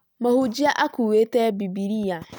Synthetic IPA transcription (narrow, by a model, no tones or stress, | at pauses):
mahud͡ʒiaʔakuwetebibiɾija